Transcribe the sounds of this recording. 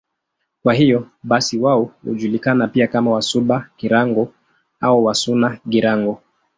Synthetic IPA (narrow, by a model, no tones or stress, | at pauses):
kwahijɔ | ɓasiwaɔhṵʄulikanapiakamawasuɓakiɾaŋɡɔ | auwasunaɡiɾaŋɡɔ